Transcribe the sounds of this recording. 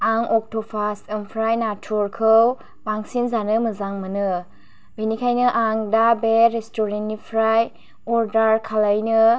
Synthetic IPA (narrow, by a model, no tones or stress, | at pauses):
aŋɔk̚tʰɔpʰastɯmpʰɾajnatʰuɾkʰɯw | baŋsinzanɯmɯzaŋmɯnɯ | benikʰajnɯʔaŋdabeɾestɔɾenːipʰɾaj | ɔɾdaɾkʰalajnɯ